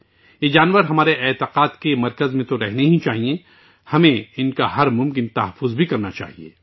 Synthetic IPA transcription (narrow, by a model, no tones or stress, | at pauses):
jeːd͡ʒaːnʋəɾɦɐmaːɾeʔɛːt̪ɪqaːt̪kemɐɾkəzmẽt̪oɾɛɦneɦĩt͡ʃaːɦiẽ | hɐmẽɪnkaɦɐɾmʊ̃mk̬ɪnt̪ɐɦɐfːʊzbʱikɐɾnat͡ʃa̰ːɦiḛː